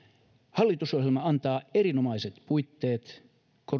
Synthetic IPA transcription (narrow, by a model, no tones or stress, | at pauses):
hɑlːit̪uso̞helmɑɑnt̪ɑːeɾinomɑiset̪puit̪ːeːt̪ | ko